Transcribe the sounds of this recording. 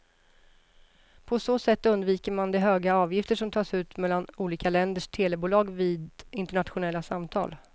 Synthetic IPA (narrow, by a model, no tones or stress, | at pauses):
pʰɔsoːsɛt̪ːɵnd̪viːkəɾmand̪ɛɦøːɡaɑːvjɪft̪əʂɔmt̪ʰɑːsʉ̟ːt̪mɛlːanuːliːkalɛnd̪əʂt̪ʰeːlɛbuːlɑːɡviːd̪ɪnt̪ɛɳat̪ɧʊnɛlːasamt̪ʰɑ̰ːl